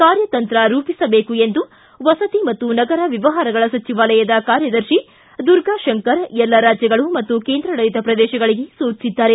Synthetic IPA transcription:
kaːɾjɐt̪ɐnt̪ɾɐɾuːpisɐbeːkue̞nd̪u | ʋɐsɐt̪imɐt̪ːunɐɡɐɾɐʋiʋɐɦaːɾɐɡɐɭɐsɐt͡ʃiʋaːlɐjɐd̪ɐkaːɾjɐd̪ɐɾʃi | d̪uɾɡaːʃɐŋkɐɾɛlːɐɾaːd͡ʒjɐɡɐɭumɐt̪ːuke̞ːnd̪ɾɐnɐjt̪ɐpɾɐd̪ɛːʃɐɡɐɭiɡe̞soːt͡ʃsid̪ːaːɾe̞

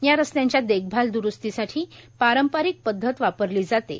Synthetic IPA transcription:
jaɾəst̪jãɲt͡ɕjad̪eɡ̚ʰbʱald̪uɾust̪isaʈʰiːpaɾəmpaɾik̚pəd̪ʱːət̪ʋapəɾliːd͡zat̪ḛ

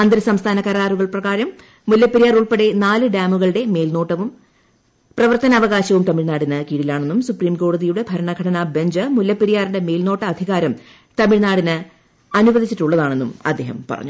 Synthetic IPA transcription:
ɐnd̪ɾɨsɐmst̪ʰaːnɐkɐɾaːruɣɐɭprɐɣaːɾɐmː | uljɐpːeɾijaːruɭpeɽe̞naːlɨɖaːmuɣɐɭɨɽe̞me̞ːlno̞ːʈːɐʋum | prɐʋɐrt̪ɐnɐɐʋɐɣaːɕɐʋumt̪ɐmiɭnaːɽinɨkiːɽilaːɳe̞nːumsupriːmko̞ːɽɐðijuɽe̞bʱɐɾɐɳɐɡʱɐɽɐnaːbeɲd͡ʑɨmuljɐpːeɾijaːriɳɖe̞me̞ːlno̞ːʈːɐːd̪ʱiɣaːɾɐm | t̪ɐmiɻnaːɽinɨ | ɐnubɐd̪ʱit͡ɕːiʈːuɭːɐðaːɳe̞nːumɐ̰d̪ːe̞ːɦɐmpɐ̰rɐ̰ɲːu

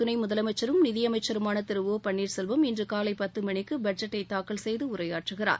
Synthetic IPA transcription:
t̪ʊnɐɪmʊðɐlɐmɐɪt͡ʃːɐɾɯmnɪðɪjɐmɐɪt͡ʃːɐɾɯmaːnɐt̪ɪɾɯʋoːpɐɳːiːɾsɛlʋɐmɪndrɯkaːlɐɪpːɐt̪ːɯmɐɳɪkːɯbɐɖd͡ʒɐʈːɐɪt̪ːaːkːɐlsɛjðɯʊɾɐjaːʈrɯɣɪra̰ːɾ

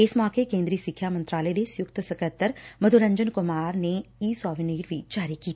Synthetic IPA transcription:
ɪsmɔːkekẽːnd̪ɾiːsɪkʰːaːmɐ̃nt̪ɾaːləed̪esjʊkt̪sɐkət̪ːəɾmɐd̪ʱuɾɐ̃ɲd͡ʒənkʊmaːɾneiːsɔːʋiniːɾʋʱid͡ʒaːɾikiːt̪ː

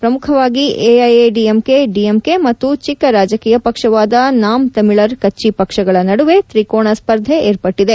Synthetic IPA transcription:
pɾɐmukʰɐʋaːɡiʔeːɐjeɖiemkeɖiemkemɐt̪ːut͡ʃikːɐɾaːd͡ʒɐkiːjɐpɐkʂɐʋaːd̪ɐnaːmt̪ɐmiɭɐɾkɐt͡ʃːipɐkʂɐɡɐɭɐnɐɽuʋe̞t̪ɾikoːɳɐspɐɾd̪ʱeeːɾpɐʈːid̪e̞

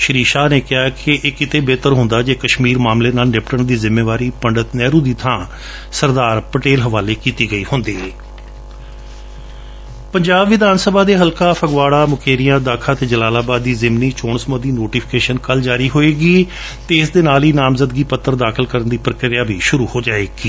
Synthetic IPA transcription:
ʃəɾiːʃaːneːkɪɦaːkɪʔkɪt̪eːbeːt̪əɾɦʊ̃nd̪aːd͡ʒeːkəʃmiːɾmaːmleːnaːlnɪpʈəɳd̪iːzɪmeːʋaːɾiːpəɳɖət̪nɛːɾũːd̪iːt̪ʰãː | səɾd̪aːɾpəʈeːlɦəʋaːleːkiːt̪iːɡəiːɦʊnd̪eː | pəɲd͡ʒaːbʋɪd̪aːnsəbaːd̪eːɦəlkaːpʰəɡʋaːɽaːmʊkʰeːɾijãːd̪aːkʰaːt̪eːd͡ʒəlaːlaːbaːd̪ːiːzɪmniːt͡ʃoːnsmõːd̪iːnoːʈiːpʰɪ̥keːʃənkəld͡ʒaːɾiːɦoːeːɡiː | t̪eːɪsd̪eːnaːliːnaːmzəd̪ɡiːpət̪ːəɾd̪aːkʰəlkəɾənd̪iːpɾəkɾɪjaːbiːʃʊɾuːhoːd͡ʒaːeːɡiː

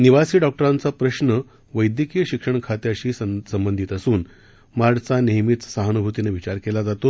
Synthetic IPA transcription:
niʋasiːɖɔk̚ʈəɾãnt͡sapɾəɕnə | ʋəjd̪jəkijəɕikʂəɳkʰat̪eəɕiːssəmbənd̪ʱit̪əsuːn | maɽt͡saneɦmit̪saɦanubʱut̪ineʋit͡ɕaɾkelad͡zat̪o

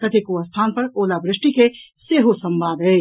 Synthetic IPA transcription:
t̪ɐt̪ʰekuəst̪ʰaːnpɐɾoːlabɾɪʂʈikeseːɦosɐ̃mbaːd̪ɦe

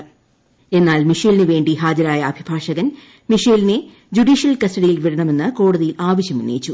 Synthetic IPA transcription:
e̞nːaːlmiʂelineʋe̞ːɳɖiɦaːd͡ʑɐɾaːjɐɐbʱibʱaːʂɐɣɐn | miʂeːline | d͡ʑuɖiːʂjɐlkɐstɐɽijilʋiɽɐɳɐme̞nːɨko̞ːɽuðijilaːʋɐɕjɐmunːḛjit͡ɕːu

